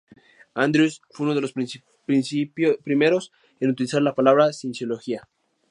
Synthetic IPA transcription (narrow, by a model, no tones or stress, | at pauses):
and̪ɾusfeunoðelos | pɾinsipɾimeɾos | enut̪ilisaɾlapalaβɾasinsjoloxia